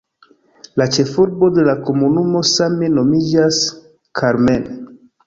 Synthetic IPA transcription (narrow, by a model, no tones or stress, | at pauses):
lat͡ʃe̞fuɾbo̞de̞lako̞munumo̞same̞no̞mid͡ʒas | kʰaɾmen